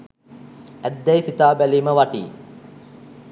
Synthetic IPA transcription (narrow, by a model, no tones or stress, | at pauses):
æd̪ːɛjsit̪aːbæliːməʋaʈḭː